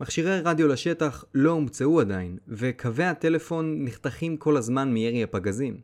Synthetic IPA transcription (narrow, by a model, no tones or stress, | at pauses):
maχʃiʁejʁadjo̞laʃe̞t̪aχlo̞umt͡seuad̪ainve̞kʰave̞at̪e̞le̞fo̞nːiχt̪aχimkʰo̞lazmanmieʁiapaɡazim